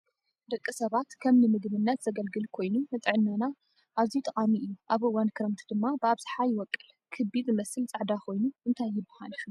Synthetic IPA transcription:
d̪ɐkʼːɨsɐβat̪kʰɐmnɨmɨɡβɨnːɐt̪z̥ɐɡɐlɡɨlkʰo̞jnunɨt̪ʼɨʕɨnːɐna | ʔaβzit̪ʼɐkʼamiʔɨjːuʔaβʔɨwankʰɨɾɐmt̪ʰd̪ɨmːabɨaβz̥ɨ̥ħajɪwɔkʼːɨl | kʰɨbid̪mɐsɨlt͡sʼɨʕd̪akʰo̞jnuʔɨnt̪ʰajːɪbːɐha̰lu

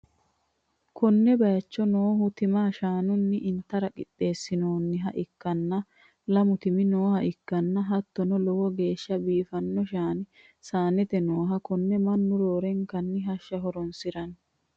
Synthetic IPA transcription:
kɔnːɛbɐjɐt͡ʃːɔnoːhʊt̪ɪmaːʃaːnʊnːɪʔɪnt̪ːɐɾɐkʼɪ̰ɗːe̞ːsːɪnoːnːɪɦɐʔɪkːɐnːɐ | lɐmʊt̪ɪmɪnoːhɐʔɪkːɐnːɐɦɐt̪ːɔnɔlɔwɔɡe̞ːʃːɐbiːfɐnːɔʃaːnɪ | saːnɛt̪ɛnoːɦɐkɔnːɛmɐnːʊɾoːɾɛŋkɐnːɪɦɐʃːɐɦɔɾɔnsɪɾɐn

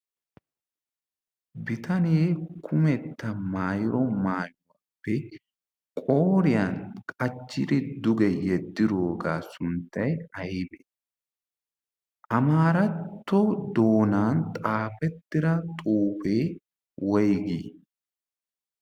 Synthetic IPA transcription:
bɪt̪ʰɐneːkʰʊmɛt̪ːɐmaːjɪɾɔmaːjʊwapːɛ | kʼo̞ːɾɪjankʼɐt͡ʃːɪɾɪd̪ʊɡɛjɛd̪ːɪɾoːɡaːsʊnt̪ːɐjɐjɪbɛ | ʔɐmaːɾɐt̪ːɔd̪o̞ːnaːnt̪ʼaːfɛt̪ːɪɾɐt̪ʼuːfeː | wɔjɡiː

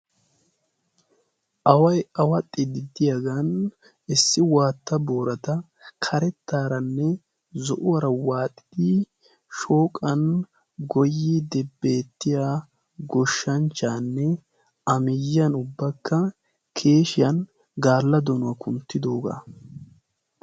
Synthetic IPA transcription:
ʔɐwɐjɐwɐt̪ʼːɪd̪ɪd̪ɪjɐɡɐn | ɪsːɪwaːt̪ːɐboːɾɐt̪ɐ | kʰɐɾɛt̪ːaːɾɐnːɛ | zɔʔʊwɐɾɐwaːt̪ʼːɪ̥d̪i | ʃo̞ːkʼːɐn | ɡɔjːid̪ɛbːe̞ːt̪ːɪjaː | ɡɔʃːɐnt͡ʃːaːnːɛ | ɐmɪjːɐnʊbːɐkːɐ | kʰe̞ːʃɪjɐn | ɡaːlːɐd̪ɔnʊwɐkʰʊnt̪ːɪd̪o̞ːɡa̰

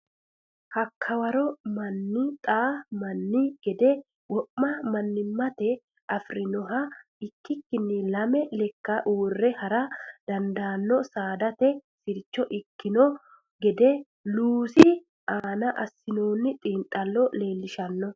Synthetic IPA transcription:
hɐkʰːɐwɐɾɔmɐnːɪt̪ʼaːmɐnːɪɡ̥ɛd̪ɛ | wɔʔːɐmɐnːɪmːɐt̪ɛ | ɐfɾɪnɔɦɐ | ɪkːɪkːɪnːɪlɐmɛlɛkːɐʔuːrːɛhɐɾɐd̪̥ɐnd̪aːnːɔsaːd̪ɐt̪ɛsɪɾt͡ʃːɔʔɪkːɪnɔ | ɡɛd̪ɛ | luːsɪ | ʔaːnɐʔɐsːɪnoːnːɪt̪ʼiːnt̪ʼːɐlːɔle̞ːlːɪʃɐnːɔ

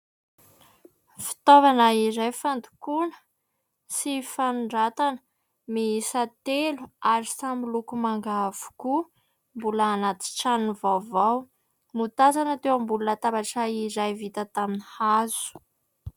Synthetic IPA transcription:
fi̥t̪ovanaiɾajfand̪u̥kunə̥ | sifanuɳɖ͡ʐat̪anə̥ | miisat̪eluaɾisamilukumaŋɡav̥u̥ku | mbulaːnat̪i̥ʈ͡ʂanuvawvaw | mut̪azanət̪ewambulunət̪abaʈ͡ʂaiɾajvit̪ət̪aminihazu̥

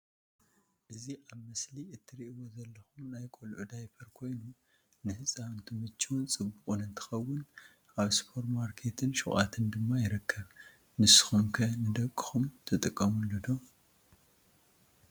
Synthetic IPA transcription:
ʔɨziʔaβmɐsliɨt̪ʰːɨɾiʔwo̞zɐlːɐxumnajkʼolʕud̪ajfʰɐɾkʰo̞jnu | nɨhɨsʼawɨnt̪ʰɨmɨt͡ʃːiwʊnt͡sʼɨbːukʼunɨnt̪ʰɨ̥xɐwːʊn | ʔaβspʰo̞ɾmaɾkʰe̞t̪ʰɨnʃuxʼa̰t̪ʰɨnd̪ɨmːajɪɾɐkʰːɐβ | nɨsɨ̥xumkʰɐnɨd̪ɐkʼːɨxumt̪ʰɨt̪ʼɨkʼːɐmunlːɐd̪o

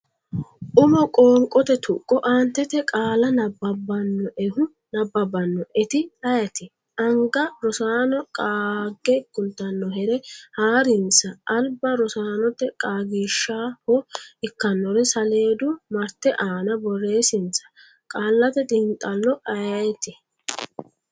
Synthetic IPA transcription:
ʔʊmɔkʼoːŋkʼɔt̪ɛt̪ʰʊkʼːɔʔaːnt̪ːɛt̪ɛkʼaːlɐnɐbːɐbːɐnːɔʔɛhʊ | nɐbːɐbɐnːɔʔɛt̪ɪɐjɐt̪ɪ | ʔɐŋɡɐɾɔsaːnɔkʼaːɡːɛkːʊnt̪ːɐnːɔhɛɾɛhaːɾɪnt͡sɐʔːlbɐɾɔsaːnɔt̪ːɛkʼaːɡiːʃːaːhɔɪkːɐnːɔɾɛsɐle̞ːd̪ʊmɐɾt̪ːɛʔaːnɐbɔrːe̞ːsɪnt͡sɐ̥ | kʼaːlːɐt̪ɛt̪ʼɪnt̪ʼːɐlːɔʔɐjɐjɛt̪ɪ

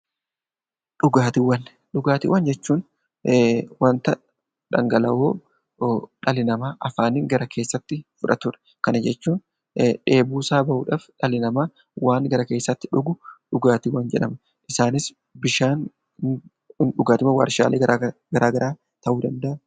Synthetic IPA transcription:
ᶑʊɡaːt̪ɪwːɐn | ᶑʊɡaːt̪ɪ̰wːɐnd͡ʒɛt͡ʃːuːn | wɐnt̪ɐ | ᶑɐ̰ŋɡɐlɐʔoː | ᶑɐlɪnɐmaːʔɐfaːnɪːŋɡɐɾɐkʰe̞ːsːɐt̪ːɪfʊᶑɐt̪ʊɾɛ̥ | kɐnɐd͡ʒɛt͡ʃːuːn | ᶑe̞ːbuːsaːbɐʔṵːᶑaːfᶑɐlɪnɐmaː | waːŋɡɐɾɐke̞ːsːɐt̪ːɪ̥ᶑʊɡʊᶑʊɡaːt̪ɪwːɐnd͡ʒɛ̰ᶑɐmɐ | ʔɪsaːnɪs | bɪʃaːn | ɪnᶑʊɡaːt̪ɪmɐwa̰ːɾʃa̰ːleːɾaɡɐɾaːɡɐɾʔaː | t̪ɐʔuːd̪ɐnd̪ɐʔɐ

